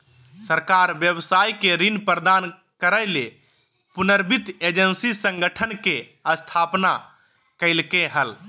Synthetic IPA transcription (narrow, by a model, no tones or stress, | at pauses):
səɾkaɾbjəbsajkeɾinpɾəd̪an | kəɾəjle | punəɾbit̪ed͡ʒənsisə̃ŋɡəʈʰənkeəst̪ʰapna | kəɪlkeɦəl